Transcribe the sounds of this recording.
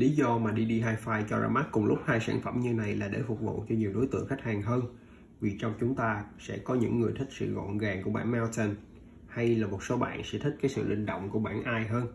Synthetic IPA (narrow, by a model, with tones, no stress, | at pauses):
li˨˦zɔ˧maː˨˩ɗi˧ɗi˧ɦaː˧jfaː˧jt͡ɕɔ˧za̰ː˧ma˦˥k̚kʊ˨˩ŋ͡mlʊ˦˥k͡p̚haː˧jsa̰ː˧˩nfə˧˩mɲɨ˧na˨˩jlaː˨˩ɗe˧˩fʊ˨˩k͡p̚vṵ˧˨t͡ɕɔ˧ɲi˨˩əwɗo˨˦jt̪ɨ̰˧˨əŋxa˦˥k̚haː˨˩ŋɦəː˧n | vi˨˩t͡ɕɔ˧wŋ͡mt͡ɕʊ˨˦ŋ͡mt̪aː˧sɛ̰˧˥kɔ˨˦ɲɨ̰˧˥ŋːɨ˨˩əjt̪i˦˥k̚sɨ̰˧˨ɣɔ̰˧˨nɣaː˨˩ŋku˧˩əɓaː˧˩nmɛ˧wt̪ʰə˧n | ha˧jlaː˨˩mo˨˩t̚so˨˦ɓa̰ː˧˨nsɛ̰˧˥t̪ʰï˦˥k̟̚kːaː˨˦jsɨ̰˧˨lḭ̈˧˨ŋ̟ɗo̰˧˨wŋ͡mku˧˩əɓa̰ː˧˩nʔaː˧jɦəː˧n